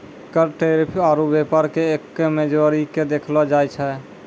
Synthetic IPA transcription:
kəɾʈeɾipʰaɾubepəɾkeekːemed͡ʒəɾiked̪ekʰlɔd͡ʒajt͡ʃʰɛ

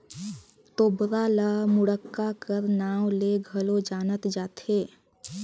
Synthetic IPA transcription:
t̪oːbɾalamʊɽəkːakəɾnaːwleɡʱəlod͡ʒaːnət̪d͡ʒaːt̪eː

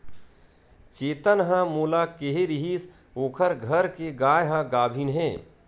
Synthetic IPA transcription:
t͡ʃeːt̪ənɦə̃moːlakeɦeɾɪɦis | oːkʰəɾɡʱəɾkeɡaːjɦə̃ɡaːbʱiːnɦẽː

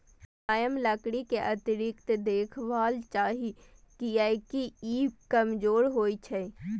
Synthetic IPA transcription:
aːjəmləkɽikeʔət̪iɾɪkt̪d̪eːkʰʋaːlt͡ʃaːɦikiəjkiikəmd͡ʒoːɾɦoːit͡ʃʰɛ

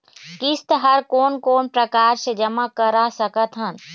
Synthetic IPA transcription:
kɪst̪əɦəɾkoːnkoːnpɾəkaːɾsed͡ʒəmakəɾasəkət̪ɦən

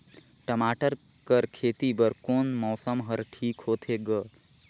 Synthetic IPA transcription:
ʈəmaːʈəɾ | kəɾkʰeːt̪ibəɾkoːnmɔːsəmɦəɾʈʰiːkɦoːt̪ʰeɡə

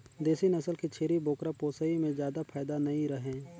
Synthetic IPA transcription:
d̪eːsinɐsəlkit͡ʃʰeːɾiboːkɾapoːsəimẽzjaːd̪apʰaːjd̪anɐĩɾɐɦẽː

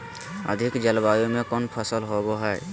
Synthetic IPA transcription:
ə̰d̪ʱɪkd͡ʒəlbaːjomẽkonpʰəsəlɦoboɦɛɛ

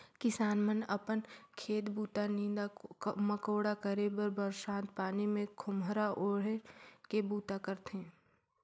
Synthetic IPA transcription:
kɪsaːnmənɐpənkʰeːt̪buːt̪anĩːd̪aməkoːɽakəɾebəɾbəɾʃãːnt̪̚paːnimẽkʰʊmɾaʔoːɽekebuːt̪akəɾt̪ẽː

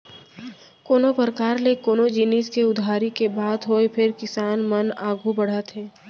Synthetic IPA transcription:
koːnopəɾkaːɾlekoːnod͡ʒiniskeʊd̪ʱaːɾikebaːd̪ɦoepʰɪɾkɪsaːnmənaːɡʱubəɽ̤at̪ʰeː

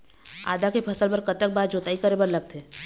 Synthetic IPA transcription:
a̰ːd̪akepʰɐsəlbɐɾkət̪ək̚baːɾd͡ʒoːt̪aːikəɾebəɾlɐɡ̚t̪eː

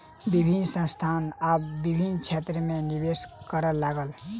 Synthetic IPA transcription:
bibʱinsə̃st̪ʰanabːibʱint͡ʃʰet̪ɾəmenibeskəɾəlaɡəl

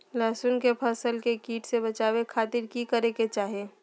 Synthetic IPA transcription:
lɛːsʊnkepʰɐsəlkekiːʈsebɐt͡ʃaːwekʰaːt̪ɪɾkikəɾeket͡ʃaːɦeː

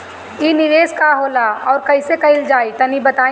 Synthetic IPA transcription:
iːnɪɾeːskaɦoːlaɔːɾkɐɪsekɐɪld͡ʒaːit̪ɐnibɐt̪aː

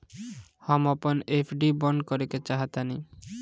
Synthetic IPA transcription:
hɔmɔponepʰɖibɔɳɖkɔɾeket͡ɕaɦat̪ani

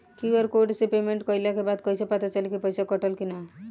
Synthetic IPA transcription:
kiəɾkoɖsepemeɳʈkʌjlakebad̪kɔjsepat̪at͡ʃalikipəjsakɔʈəlkina

